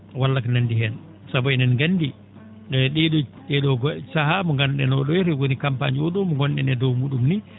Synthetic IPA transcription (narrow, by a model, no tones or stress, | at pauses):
walːaknandiɦɛn | sabɔɛnanɡandi | ɛɗɛɗɔɗɛɗɔɡɔsahamɔŋɡanɗɛnɔɗɔɾɛwonikampa̰ɲɔɗɔmɔŋɡɔnɗɛnɛdɔwmuɗumni